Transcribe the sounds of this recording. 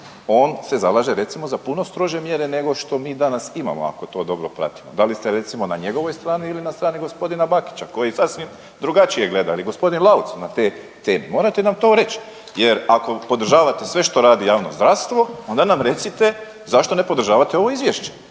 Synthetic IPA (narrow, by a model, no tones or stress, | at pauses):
o̞ːnse̞zalˠaːʒeɾe̞t̪simozapuno̞st̪ɾo̞ʒe̞mje̞ɾe̞ne̞ɡo̞ʃt̪o̞miːd̪anasima̰mo̰a̰ko̞t̪o̞ːd̪o̞bɾopɾa̰t̪i̥mo̞d̪alist̪e̞ɾe̞t̪simo̞naɲeɡo̞ʋo̞jst̪ɾaːniːlinast̪ɾaːniɡo̞spo̞d̪inabaki̥t͡ɕako̞jisasʋim | d̪ɾuɡat͡ʃije̞ɡle̞d̪aːliɡo̞spo̞d̪inlˠaut̪snat̪e̞ː | t̪e̞ːmemo̞ːɾat̪enamt̪o̞ːɾe̞t͡ɕ | je̞ɾako̞po̞d̪rʒaːʋat̪esʋe̞ʃt̪o̞ɾaːd̪ijaːʋnozd̪ɾaʋst̪ʋo̞o̞nd̪anamɾe̞t̪sit̪e̞ | zaʃt̪one̞po̞d̪ɾ̩ʒaːʋat̪eo̞ʋo̞izʋjeʃt͡ɕe̥